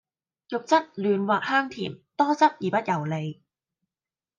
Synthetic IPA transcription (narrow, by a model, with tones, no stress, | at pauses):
jʊ˨k̚t͡sɐ˥t̚lyː˨˧nwaː˨k̚haː˥ŋt̪ʰḭː˨˩mt̪ɔː˥t͡sɐ˥t̚jiː˨˩pɐ˥t̚jɐ˨˩wle˨˧j